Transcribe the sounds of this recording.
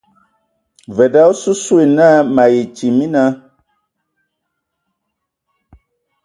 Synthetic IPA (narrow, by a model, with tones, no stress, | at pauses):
vɛ˨da˦su˦swe˨na˦ma˨je˨t͡ʃi˨mi˦na˦